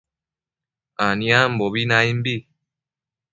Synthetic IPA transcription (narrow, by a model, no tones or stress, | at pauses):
anĩam̩bɔbinaimbi